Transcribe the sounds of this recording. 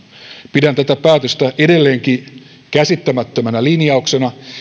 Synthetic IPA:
pidænt̪æt̪æpæːt̪øst̪æʔede̞lːe̞ːŋki | kæsit̪ːæmæt̪ːømænælinjɑoksenɑ

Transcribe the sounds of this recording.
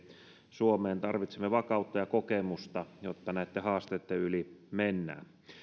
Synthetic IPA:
suomeːnt̪ɑrʋit̪semːeʋɑkɑˑut̪ːɑjɑkokemust̪ɑjot̪ːɑnæˑit̪ːehɑːst̪et̪ːeylimenːæ̰ː

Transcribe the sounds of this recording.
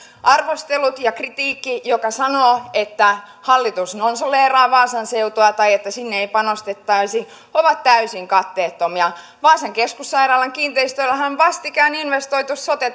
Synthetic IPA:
ʔɑrʋost̪elut̪jɑkrit̪iːkːijokɑsɑnoːet̪ːæ | hɑlːit̪usnonsoleːrɑːʋɑːsɑnseut̪oɑt̪ɑjet̪ːæsinːeeipɑnost̪et̪ːɑisi | oʋɑt̪tæysiŋkɑt̪ːeːt̪ːomiɑ | ʋɑːsɑŋkeskusːɑirɑːlːɑŋkiːnt̪eist̪ølːæhænʋɑst̪ikæːninʋest̪oit̪usːot̪et̪ː

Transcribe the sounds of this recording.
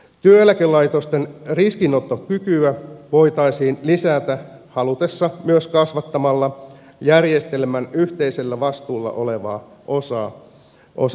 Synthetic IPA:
t̪yølækelːɑjt̪ost̪enriskino̞t̪ːokykyæʋo̞jt̪ɑjsiːnlisæːt̪æhɑlut̪e̞sːɑmyøskɑsʋɑt̪ːɑmɑlːɑ | jærje̞st̪e̞lmænyht̪e̞jse̞lːæʋɑst̪uːlːɑ̰ʔo̞le̞ʋɑ̰ːʔo̞sɑː | ʔo̰sɑ

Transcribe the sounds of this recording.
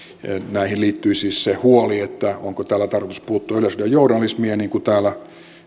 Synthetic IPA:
næihilliːt̪ːyisiːssehuoliet̪ːæo̰ŋkot̪æːlæt̪ɑrkot̪uspuːt̪ːuɑyløsylɑjounɑlːˑismieniːŋkut̪æːlæ

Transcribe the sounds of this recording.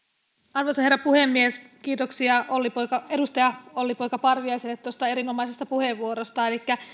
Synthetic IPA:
ɑrʋojsɑherːɑpuhe̞mːieskiːt̪o̞ksiɑʔo̞lːipo̞jkɑe̞dust̪ɑjɑo̞lːipojkɑpɑrʋiɑijselːet̪ːost̪ɑe̞ɾino̞mɑise̞st̪ɑpuhe̞ʋːuoɾost̪ɑe̞likːæ

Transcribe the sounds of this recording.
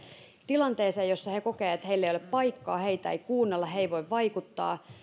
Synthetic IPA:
t̪ilɑnt̪eːseːjosːɑheko̞keːet̪heilːeijoeppɑikːɑːheit̪æ̰eikuːnːelːɑheiʋojʋːɑikut̪ːɑ̰ː

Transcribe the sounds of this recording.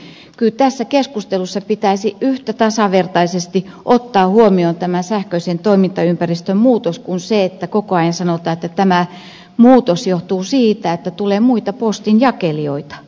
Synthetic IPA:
kylt̪æsːækeskust̪elusːɑpit̪æisiyht̪æt̪ɑsɑʋert̪ɑisest̪iʔot̪ːɑːhuomioːnt̪æmænsæhkøisent̪oimint̪ɑympærist̪ømmuːt̪oskunseet̪ːækokoɑjensɑnot̪ɑːet̪ːæt̪æmæ | muːt̪osjoht̪uːsiːt̪æet̪ːæt̪uleːmuit̪ɑpost̪injɑkelioit̪ɑ̥

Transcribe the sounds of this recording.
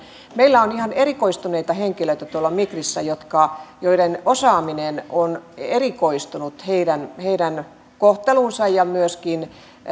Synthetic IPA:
meilːæonihɑneɾikoist̪uneit̪ɑheŋkiløit̪æt̪uolːɑmikrisːæjot̪kɑjoiɾenosɑːminenonerikoist̪unut̪heidænheidæn | koht̪elunsɑjjɑmyøskin

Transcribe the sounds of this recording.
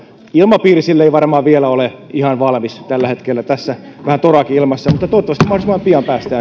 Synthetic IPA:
ilmɑpiːrisilːeiʋɑrmɑːʋielæoleihɑnʋɑlmist̪ælːæhet̪kelːæt̪æsːæ | ʋæhænt̪orɑkiilmɑsːɑmut̪ːɑt̪oot̪ːɑʋɑst̪imɑhoisimːˑɑmpiɑmpæːst̪æː

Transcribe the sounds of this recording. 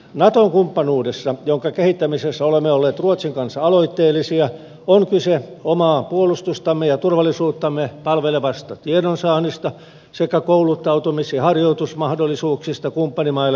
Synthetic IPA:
nɑt̪oŋkumpːɑnuːdesːɑjoŋkɑkehit̪ːæmisesːæolemːeolːeːt̪ruot̪siŋkɑnsːɑɑloit̪ːeːlːˑisiɑ | oŋkyseomɑːpuolust̪ust̪ɑmːejɑt̪urʋɑlisuːt̪ːɑmːepɑlʋeleʋɑst̪ɑt̪iedonsɑːnist̪ɑ | sekːækoulut̪ːɑut̪umisiɑhɑrjoit̪usmɑhdolːˑisuːksist̪ɑkumpːɑnimɑil

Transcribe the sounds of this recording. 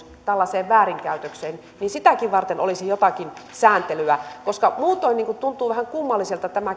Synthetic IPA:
t̪ælːɑseːʋʋæːriŋkæˑyt̪økseːn | niːnsit̪ækiʋʋɑrt̪eno̰lisijot̪ɑkinsæːnt̪elyækoskɑmuːt̪ˑoˑinːiːŋkut̪unt̪uːʋæhæŋkumːɑlːiselt̪ɑt̪æmæ

